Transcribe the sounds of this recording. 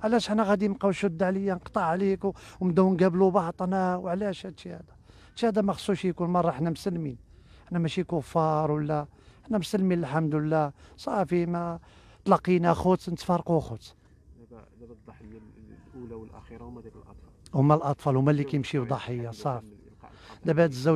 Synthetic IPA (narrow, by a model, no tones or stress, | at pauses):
ʕlæʃəħnːæɣæd̪imqɑwʃʊd̪ːʕləjːænqt̪ˤɑʕːlikwmd̪æwnɡæblubɑʕt̪ˤnæwʕlæʃæihæ̰d̪æ | t̪ʃihæd̪æmæxə̥sˤːuʃikulmɑrˤːɑħnæmsəlmin | ʔəħnæmæʃikʊfːɑɾˤwəlːæ | ħnæmsəlminəlħamd̪wəlːæsˤɑfimæ | t̪lɑqːinæxʊt̪nət̪fɑɾˤquxʊt̪ | ʔulʔɾ | hʊmːælʔɑt̪ˤfɑlhʊmːælːikæjəmʃiwd̪ˤɑħəjːɑsˤɑf | d̪æbæd̪əzːæ